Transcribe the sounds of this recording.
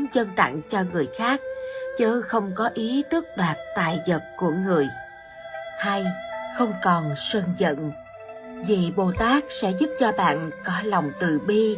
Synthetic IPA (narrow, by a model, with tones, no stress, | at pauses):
nzə˧nt̪a̰˧˨ŋt͡ɕɔ˧ŋɨ˨˩əjxaː˦˥k̚t͡ɕəː˨˦xə˧wŋ͡mkɔ˨˦ʔi˨˦t̪ɨ˦˥ək̚ɗwaː˨˩t̚t̪a̰ː˨˩jzə˨˩t̚ku˧˩əŋɨ˨˩əj | ha˧jxə˧wŋ͡mkɔ˨˩nsə˧nzə̰˧˨n | vi˨˩ɓo˨˩t̪aː˦˥k̚sɛ̰˧˥zu˦˥p̚t͡ɕɔ˧ɓa̰ː˧˨nkɔ˨˦la˨˩wŋ͡mt̪ɨ̰˨˩ɓi˧